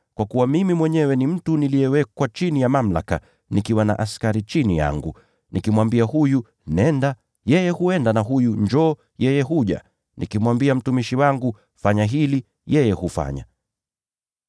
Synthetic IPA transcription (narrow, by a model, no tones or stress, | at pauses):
kwakuwamimimwɛɲɛwɛnim̩tunilijɛwɛkwat͡ʃinijamam̩la̰ka | nikiwana̰ʔaskaɾit͡ʃinija̰ŋɡu | nʔikimwambiahuju | nɛnda | jɛjɛhuɛndanaɦujuɲd͡ʒɔː | jɛjɛɦuʄa̰ | nʔikimwambiam̩tumiʃiwaŋɡu | faɲaɦili | jɛjɛhufa̰ɲa̰